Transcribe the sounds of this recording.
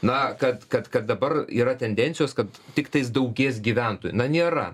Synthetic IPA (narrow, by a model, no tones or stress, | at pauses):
nɐkɐt̪kɐt̪kɐt̪̚d̪ɐbɐriːɾɐt̪ʲɛnʲd̪ʲɛnʲtsʲɪjoːskɐt̪tʲɪkt̪ɐɪs̬d̪ɐʊɡʲeːs̬ɡʲiːʋʲænt̪oːjnɐnʲeːɾɐ̰